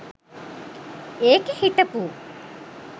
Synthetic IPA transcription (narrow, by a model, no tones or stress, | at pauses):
eːkehiʈɐpuː